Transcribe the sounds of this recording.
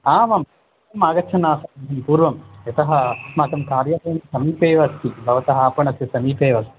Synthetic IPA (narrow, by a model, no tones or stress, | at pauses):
aːʋɐmɐ | ɐmaːɡɐtːt͡ʃʰɐnaːsɐɐnd̪ɐmpuːɾʋɐmɐt̪ɐɦɐmaːkɐmkaːɾjɐʋeːɳɐsɐmiːpeːʋɐst̪ibʱɐʋɐt̪ɐɦɐaːpɐɳɐsisɐmiːpeːʋɐst̪i̥